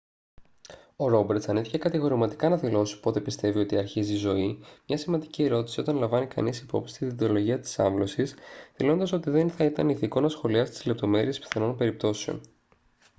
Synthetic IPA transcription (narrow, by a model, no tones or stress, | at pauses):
o̞ɾo̞beɾt̪sɐniθiçe̞kɐt̪iɣo̞ɾimɐt̪i̥kɐnɐðilo̞si̥po̞t̪e̞pist̪e̞vio̞t̪iɐɾçizizo̞imɲɐsimɐnd̪icie̞ɾo̞t̪isio̞t̪ɐnlɐɱvɐnikɐ̰nisipo̞̰psi̥t̪iðit̪o̞lo̞ʝiɐt̪i̥sɐ̰ɱvlo̞sisθilo̞nd̪ɐso̞t̪iðe̞nθɐit̪ɐniθiko̞nɐsxo̞liɐst̪i̥zlep̚t̪o̞me̞ɾie̞spi̥θeno̞npe̞ɾip̚t̪o̞seo̰n